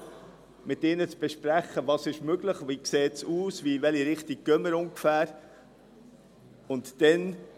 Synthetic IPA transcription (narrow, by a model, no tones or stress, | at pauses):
mɪt̪ɪnət͡sb̥ɛʃpɾæχːəvɑsɪʃmøɡləχʋikseːtsuːsʋivɛliɾɪχtiɡ̥̚kœməɾʊŋɡfæːɾ | ʊntd̥ɛn